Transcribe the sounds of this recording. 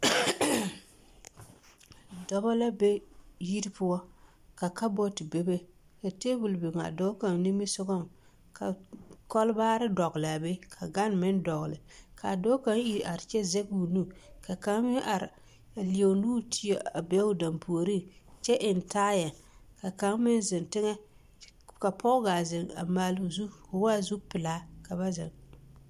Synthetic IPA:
dɔ˦ba˦la˦be˦ji˦ɾpʊ˦a˦ | ka˨ka˦bɔ˦ti˨be˦be˦ | ka˨te˦bu˨lbɪ˨ŋa̰˨do˦ka˨ŋni˦mɪ˦sʊ˦ɡɔ˦˨m | ka˨kɔ˦lbaː˦ɾɪ˦dɔ˨ɣla˨be˦kʰa˨ɡa˦nmɪ˦n˦dɔ˨ɣlɪ˨kʰa˨do˦ka˦ŋi˨a˨ɾt͡ʃɛ˦ze˦ɡu˨nu˦ka˨ka˨˦ŋmɪ˦ŋʔa˨ɾɪ˨ | li˨o˨nuː˦tʰi˦e˨a˨be˦ʊ˦da˨mpʰu˨o˨ɾi˦t͡ʃɛ˦ʔɪ˨ntaː˦ja˨ | ka˨ka˨˦ŋmɪ˦nzɪ˨ntɪ˦ŋɛ˦ | ka˨pʰɔ˦ɡa˨zɪ˨ŋa̰˨maː˨lu˨zu˦kʊ˨wa˦˨zu˦pɪ˨la˦ka˨βa˦zɪ̰˨ŋ

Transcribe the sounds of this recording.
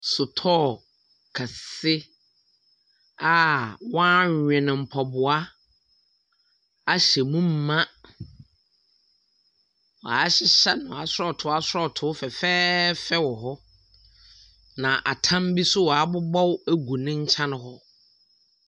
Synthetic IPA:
sʊ˨tʰɔː˦˨ | kʰa˨sɪ˦ | a˨wɔ̃˦ɲɲᶣɛ̃˨nɪ̃˨m̩˨pʰɔ˨bʊ˨a˦ | a˦ɕɛ˨mũ˦m̩˨˦mã˦ | wɔ˨a˨˦ɕɪ˦ɕɛ˦nʊ̃˨a˨sɾɔ˦˨tʰʊ˨˦a˦sʊ˦ɾɔ˦˨tʰʊ˨˦fɛ˨fɛː˦fɛ˦wɔ˨ɦɔ˦ | nã˨ʔa̰˨tʰã˦mbi˦sʊ˦wɔ˨a˨˦bʊ˦bɔ˦wæ˦ɡu˨nɪ̃˦ɲ̩˦t͡ɕʰã˦nʊ̃˦ɦɔ˦

